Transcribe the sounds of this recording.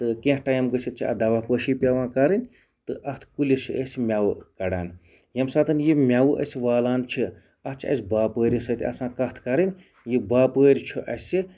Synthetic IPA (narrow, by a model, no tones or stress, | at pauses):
t̪ɨkẽːhʈajɐmɡɨsʲit͡ʃʰiɐ̰d̪ɐʋaːpəːʃipʲɐʋãːkɐɾɨnʲ | t̪ɨʔɐt̪ʰkulʲisəsʲmʲawukɐɽa̰ːn | jɐmsaːt̪ɨnjimʲawuʔɐ̰sʲʋaːlaːnt͡ʃʰi | ɐst͡ʃʰɐ̰sʲbaːpəːɾʲisɐt̪ʲiɐ̰sãːkɐt̪ʰkɐɾɨnʲ | jibaːpəːɾʲit͡ʃʰuʔɐ̰sʲi